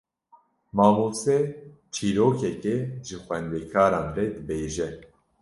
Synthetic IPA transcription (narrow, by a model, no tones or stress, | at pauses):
mɑːmuse | t͡ʃʰiːɾoːkʰɛkeʒɨxwɛnd̪eːkʰaːɾɑːnrɛd̪ɨbeːʒɛ